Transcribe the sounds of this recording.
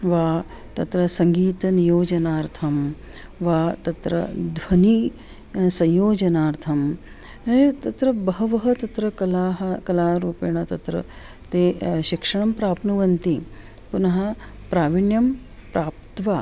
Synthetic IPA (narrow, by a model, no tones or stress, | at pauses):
ʋaː | t̪ɐt̪ɾɐsɐŋɡiːt̪ɐnijoːd͡ʒɐnaːɾt̪ʰɐm | ʋaːt̪ɐt̪ɾɐ̰d̪ʱʋɐni | sɐ̃jjoːd͡ʒɐnaːɾt̪ʰɐm | ɐt̪ɐt̪ɾɐbɐɦɐʋɐɦɐt̪ɐt̪ɾɐkɐlaːɦɐkɐlaːɾuːpeːɳ̃ɐt̪ɐt̪ɾɐ̰ | t̪eːʃikʂɐɳɐmpɾaːpnɐʋɐnt̪i | punɐɦɐ | pɾaːʋiɳjɐm | pɾʔaːp̚t̪ʋaː